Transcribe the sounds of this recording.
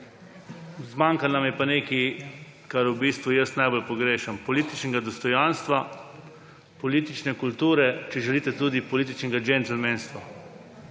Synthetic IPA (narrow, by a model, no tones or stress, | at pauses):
zmaŋkannamjɛpaneːkikaɾubist̪ʋujəsnajbolpɔɡɾeːʃɛmpɔliːt̪it͡ʃnɛɡad̪ɔst̪ɔjanst̪ʋa | pɔlit̪it͡ʃnɛkult̪uːɾɛt͡ʃɛʒɛliːt̪ɛt̪uːd̪ipɔliːt̪it͡ʃnɛɡad͡ʒent̪ɛɾmenst̪ʋa